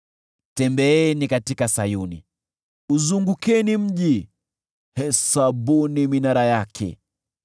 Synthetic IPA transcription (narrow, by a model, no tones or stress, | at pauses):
tɛmbɛɛnikatikasajunḭ | uzuŋɡukɛnim̩ʄi | hɛsabuniminaɾajakʰɛ̰